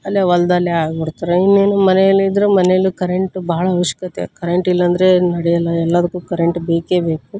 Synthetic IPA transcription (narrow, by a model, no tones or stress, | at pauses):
ɐlːeʋɐlɐd̪aːleaːɡbiɽt̪ɐɾeinːeːnumɐnejɐlːiid̪ɐɾemɐnejɐlːikɐɾeɳʈbɐːɐɭɐːʋɐʃjɐ̥kɐt̪ḛkɐɾeɳʈilːɐnd̪ɐɾenɐɽɛjɐlːɐɛlːɐd̪ɐkːuːkɐɾeɳʈbeːkeːbe̞ːku